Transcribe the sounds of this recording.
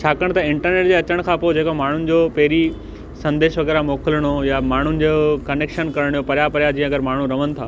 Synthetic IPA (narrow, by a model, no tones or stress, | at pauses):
t͡ɕʰaːkəɽ̃t̪ɐɪ̃ɳʈəɾneːʈ̚d͡ʑeɐt͡ɕəɽ̃kʰãːpod͡ʑeːkomaːɳ̤ʊnɪ̆d͡ʑoːpɛɦɾi | sɐ̃nd̪eːʃʋɐɡɛːɾamoːkələɽ̃ojamaːɳ̤ʊnɪ̆d͡ʑokɐneːkʃənkɐɾəɽ̃ijopɐɾjapɐɾjad͡ʑĩːə̃ɐɡəɾmaːɳ̤uɾɐʋənɪ̆t̪ʰaː